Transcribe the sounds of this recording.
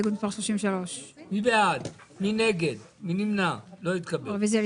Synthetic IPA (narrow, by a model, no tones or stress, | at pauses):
ɡud̪faʁʃloʃimvʃaloʃmibead̪ | mineɡed̪ | minimnaloit̪kabevezel